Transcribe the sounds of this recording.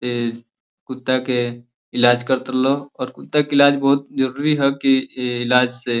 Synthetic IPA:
e | kʊt̪ːake | ɪlaːd͡ʒkɐɾt̪əɾloɔːɾkʊt̪ːakiɪlaːd͡ʒbɔɦʊt̪̚d͡ʒɐɾuːɾiɦɛkiɪlaːd͡ʒse

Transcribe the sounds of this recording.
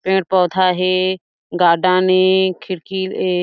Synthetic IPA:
pẽːʈpɔːt̪ʰaːɦeː | ɡaːɖãːnekʰɪɾkiːle

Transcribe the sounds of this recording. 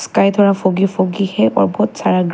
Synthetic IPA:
skajt̪ʰɔɹafoɡifoɡixɛɔ̰ɹbʱɔtsaɹaɡ

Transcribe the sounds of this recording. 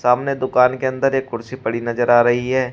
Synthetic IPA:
saːmned̪ʊkaːnkeɐ̃nd̪əɾeːkʊɾsipɐɽinɐzəɾaːɾɐɦiɦɛː

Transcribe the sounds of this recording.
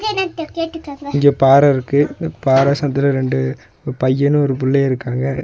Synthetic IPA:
ðenãt̪ekeːʈːɯkːɐɐɪŋɡepaːɾɐɪɾɯkːɯpaːɾɐsɐnd̪ɪlɐɾɛɳɖɯ | pɐjːɐnɯ̃ɔɾɯpʊɭːeɪɾɯkːaːŋɡɐ

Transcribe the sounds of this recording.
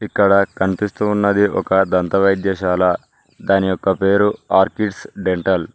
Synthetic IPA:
ikːɐɽɐkɐnipist̪uːnːɐd̪iʔɔ̰kɐd̪ɐnt̪ɐʋɐjd̪jɐʃaːlɐ | d̪aːnijɔkːɐpe̞ːɾuaːɾkiɖsɖeɳʈɐl

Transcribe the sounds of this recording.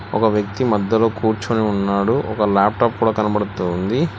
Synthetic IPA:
ɔkɐʋjɐk̚t̪imɐd̪ːɐloːkuːɾt͡ʃoniunːaːɽuɔkɐlaːp̚ʈaːp̚kuːɽaːkɐnɐbɐɽut̪und̪i

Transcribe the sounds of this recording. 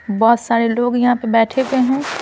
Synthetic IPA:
bɔːt̪saːɾeloːɡjɐɦãpebɛːʈʰeeɦɛ̃ː

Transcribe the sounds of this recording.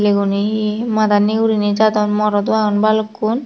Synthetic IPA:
leɡunimad̪anːiɡuɾined͡ʒad̪ɔnmɔɾɔd̪uaɔnbalokːun

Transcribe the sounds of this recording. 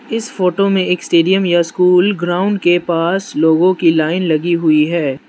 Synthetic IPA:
ɪsfoːʈomẽeːksʈeːɖijəmjaskuːlɡɾaːʊ̃ɳɖ̚kepaːsloːɡõkilaːɪnlɐɡiɦʊiɦɛː

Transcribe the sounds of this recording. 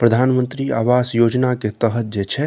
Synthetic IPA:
pɾəd̪ʱaːnmə̃nt̪ɾiaːʋasjod͡ʒnaket̪əɦət̪̚d͡ʒet͡ʃʰɛ

